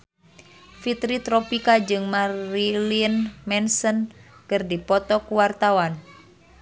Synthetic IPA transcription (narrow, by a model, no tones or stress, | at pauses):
fit̪ɾit̪ɾɔpikad͡ʒɨŋmailinmɛnsənkɨrdipɔt̪ɔkuwart̪awan